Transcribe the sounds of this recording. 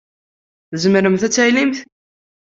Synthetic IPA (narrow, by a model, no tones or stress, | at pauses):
θzəmɾəmθæt͡sːæjlimθ